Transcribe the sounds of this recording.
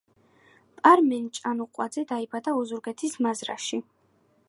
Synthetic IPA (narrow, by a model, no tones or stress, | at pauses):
pʼaɾmɛnt͡ʃʼanuqʼwad̪zɛd̪aibad̪aɔzuɾɡɛt̪ʰismazɾa̰ʃi